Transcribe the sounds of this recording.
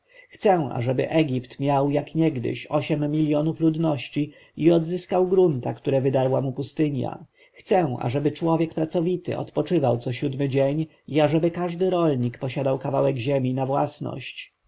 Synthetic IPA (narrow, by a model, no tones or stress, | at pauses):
xt̪sɛw̃a̰ʐɛbɘ̰ʔɛɡʲipt̪mʲjawjakɲɛɡd̪ɘ̰ɕɔɕɛmːʲilʲjɔnuflud̪nɔɕt͡ɕi | iɔd̪zɘskawɡɾunt̪akt̪uɾɛvɘd̪aɾwamupust̪ɘɲja̰ | xt̪sɛw̃a̰ʐɛbɘt͡ʂwɔvʲjɛkpɾat̪sɔvʲit̪ɘ̰ɔ̰t̪pɔt͡ʂɘvawt̪sɔɕud̪mɘd͡ʑeɲ | iaʐɛbɘkaʐd̪ɘɾɔlɲikpɔɕad̪awkavawɛɡʑemʲinavwa̰snɔ̰ɕt͡ɕ